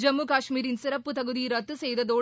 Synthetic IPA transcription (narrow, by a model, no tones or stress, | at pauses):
d͡ʒɐmːuːkaːʂmiːɾɪnsɪɾɐpːɯt̪ɐɣɯðiɾɐt̪ːɯsɛjðɐðoː